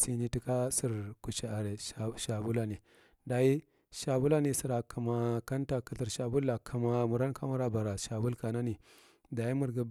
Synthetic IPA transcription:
si˦ni˦ti˦ka˦si˦˨ɾku˨t͡ʃa˨a˨ɾe˨ʃa˨bu˦la˨ni˨ | da˨ji˦ | ʃa˨bu˦la˦ni˦si˨ɾa˨ka˨ma˨ka˦nta˨kə˨ɬi˨ɾʃa˨bu˦lːa˨kʰa˨ma˨mu˨ɾa˦nkʰa˦mu˦ɾa˦ba˨ɾa˨ʃa˨bu˦lka˨na˦ni˨ | da˨ji˦mu˨ɾɡa˦

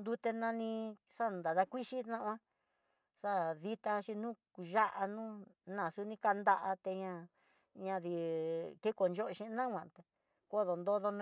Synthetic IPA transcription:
nd̪u˧t̪e˧nã˧nĩ˧ | ʂa˦nd̪a˨ða˧kʷi˦ʃi˦nã˦ʔã˦ | ʂa˦ði˧t̪a˧ʃi˧nũ˦ku˨ʒa˦ʔa˧nũː˦nã˨su˧˦nĩ˧˦ka˧nd̪a˧ʔa˧t̪e˧ɲã˧ | ɲã˧ði˧ke˦ko˨nd͡ʒo˦˧ʃĩ˧nã˦wʷã˨t̪e˧ | ko˦ðo˨nd̪o˦ðo˧nũ˦

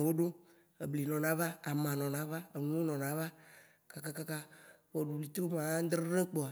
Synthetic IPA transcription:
wo˦ɖo˦ | e˨bli˨nɔ̃˨nã˨˦va˦a˨mã˨nɔ̃˨nã˨˦va˦e˨nũ˦wo˦nɔ̃˨nã˨˦va˦ | ka˨ka˦ka˦ka˦wɔ˨ɖu˨bli˨t̪o˦mã˨˦d̪ɾe˦ɾẽ˦k͡pɔ˨a˨

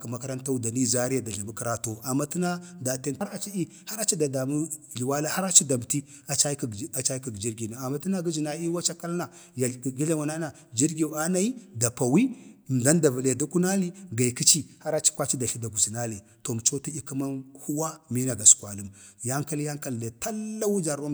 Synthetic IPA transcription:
ka˨ma˦ka˦ɾa˦nta˦u˦da˨ni˦za˦ɾja˦da˨ɮi˨mu˦kɾa˨to˨a˨mːa˦ti˦na˦da˨te˦na˦ɾa˨t͡ʃi˦i˦ | ha˦ɾa˦t͡ʃi˦da˨da˨mu˦ɮi˨wa˦la˦ha˦ɾa˦t͡ʃi˦da˨m˨ti˦ | a˨t͡ʃa˦ka˨t͡ʃa˦ki˨ɡd͡ʒi˦ɾɡi˨na˨a˨ma˦ti˦na˦ɡi˦zi˨na˦i˦wa˦t͡ʃa˦ka˦lna˨ | ja˨ɡi˦ɮa˦ŋa˨na˦na˨ | d͡ʒi˦ɾɡi˨a˦na˦i˦da˨pa˨wi˦˨da˦n˦da˨va˨le˨da˦ku˦na˦li˦ɡa˨i˨ki˦t͡ʃi˦ha˦ɾa˦t͡ʃi̥˦kʷa˦t͡ʃi˦da˨ɬi˦da˨ɡu˨zi˨na˦li˨ | to˨m˨t͡ʃo˦ti˦i˦ku˦ma˦nhu˦wa˦mi˦na˨ɡa˨su̥˨kwa˨lu˦m | ja˦ŋka˦lja˦ŋka˦lda˨ta˦lːa˦wu˦d͡ʒa˨ɾa˦

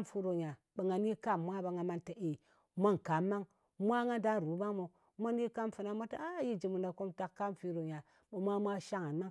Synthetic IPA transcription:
mfu˦ɾo˨ɲa˨ | ɓə˨ŋa˨ni˦ka˦˨mːʷa˦ba˨ŋa˨ma˦nta˨ʔe˨ | mʷa˦ŋ˨ka˨˦mːa˦ŋ | mʷa˦ŋa˦da˦n˨ɾu˨˦ba˦ŋmo˨ | mʷa˦ni˦ka˦mfu˨na˦ma˦ta˦a˦ji˦d͡ʒi˨mu˨nda˨ko˦mta˦kkːa˦mfi˦ɾo˨ɲa˨ | ɓə˨mʷa˦mʷa˦ʃa˦ŋa˨nma˦ŋ

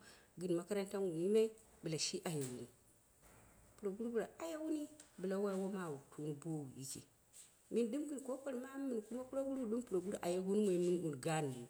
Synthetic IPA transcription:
ɡɨ˨n˨ma˨ka˦ɾa˦n˦ta˦nwu˨ji˦ma˦i˦bɨ˨la˨ʃi˦ʔa˨ja˨wu˨ni˨ | pu˨ɾo˨ɡu˦ɾbu˨la˨a˨ja˦wu˦ni˦bɨ˨la˨wa˦wo˦ma˦˨wu˨tʰu˦n˨bo˦wu˨jḭ˦kḭ˨ | mi˦nɗɨ˦mɡɨ˨n˨ko˦ko˦ɾma˦mi˨n˨ku˦ma˦ku˦ɾo˦ɡu˦ɾu˦˨ɗu˦mpu˨ɾo˨ɡu˦ɾʔa˨ja˦ɡu˦n˦mo˨i˨mɨ˦u˨n˨ɡa˦n˨bu˨

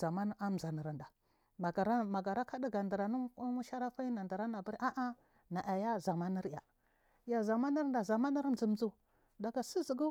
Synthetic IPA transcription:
a˨ma˦n˦a˦m˨za˨na˨ɾa˨nda˨ | a˨ɡa˨ɾa˦ma˨ɡa˨ɾa˦ka˦di˦ɡa˨nda˨ɾa˨nu˦mu˦ʃa˦ɾa˦fa˦i˦na˨nda˨ɾa˦na˨bu˦ɾʔa˦ʔa˦ | na˨ʔa˨ja˦za˨ma˦ni˦ɾja̰˨ | ja˨za˨ma˦na˦ɾda˨za˨ma˦na˦ɾn˦zi˨m˦d͡zu˦˨ | da˨ɡa˨si˦zi˨ɡu˦

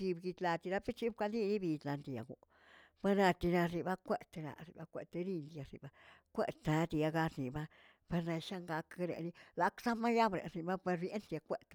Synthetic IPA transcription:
i˧bɡi˧t̪la˧t̪i˧ɾa˧pe˦t͡ʃi˦b̚kʷa˧li˦ni˦bi˧d̪la˧nd̪i˧ja̰˨ɡṵ˨ | ba˧na˧t̪i˧na˧ɾi˧ba˧kʷe˦˨t̪e˧na̰˧ɾi˨ba˧kʷe˧t̪e˧ɾi˧nd̪i˧a˧ɾḭ˨ba˧kʷe˧˨t̪na˧t̪i˧ja˧ɡa˧tni˨ba˦ | pe˧ɾna˧ʃa˦ŋɡa˧kɾḛ˨ni˦la˨ksa˦ma˦ja˦bɾḛ˨ɾni˧ba˦pe˧ɾbje˦nt̪i˧a˧kʷe˧˨t̪

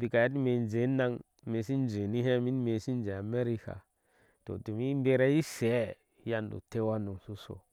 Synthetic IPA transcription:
bi˨ka˨ja˦ti˦me˨nd͡ʒe˨˦na˦ŋ | me˨si˦n˦d͡ʒe˨ni˦ɦe˦mi˦n˦me˨si˦n˦d͡ʒe˨a˨me˦ɾi˦ka̰˨ | to̰˨du˨mi˦m˦be˦ɾa˦ji˦se˨˦ | ja˦ndṵ˨te˦wa˦nu˨su˦so̰˨

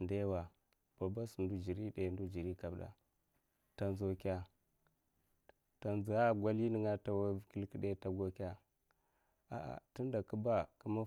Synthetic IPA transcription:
nda˦wa˨ | b̥a˨ba˦su˨ndu˦d͡ʒi˨ɾi˦de˨ndu˦d͡ʒi˨ɾi˦ka˨bda̰˨ | ta˨nzo˨kʲa˦ | ta˨nzi˨a˦ɡʷa˦li˦nə˨ŋa˦ta˨wa˦vki˦lki˦ɗe˦ta˨ɡo˦kʲa˦ | a̰˨ʔa̰˨ti˦n˦da˨ku˦ba˦ku˦ma˦

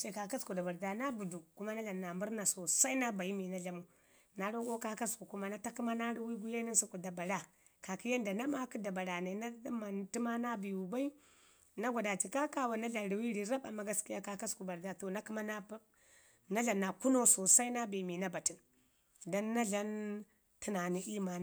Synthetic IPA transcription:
ʃe˨ka˨ka˦sku˨da˨ba˨ɾda˨na˦bu˨du˨ku˦ma˦na˦ɮa˨nːa˨mbu˦ɾna˨so˨sa˦i˦na˦ba˨ji˦mi˨na˦ɮa˨˦mu˦ | na˦ɾo˦ɡo˦ka˦ka˦sku˨ku˦ma˦na˦ta˦ki˦ma˦na˦ɾi˦wi˦ɡu˦ja˦ni˦su˦ku˨da˨ba˨la˨ | ka˨ki˦ja˦nda˨na˦ma˦ki˦da˨ba˨ɾa˨na˨na˦ma˨nti˦ma˦na˦bi˨wu˨ba˦i˦ | na˦ɡʷa˨da˨t͡ʃi˨ka˦ka˦wa˨na˦ɮa˨n˨ɾi˨wi˦ɾi˨ɾa˦ba˨ma˦ɡa˦ski˦ja˦ka˦ka˦sku˨ba˨ɾda˦˨to˨na˦ki˦ma˦na˦ | na˦ɮa˨nːa˨ku˦no˦so˨sa˦i˦na˦bi˨mi˨na˦ba˨ti˨n | da˦nːa˦ɮa˦n | ti˦na˨ni˨i˦ma˨

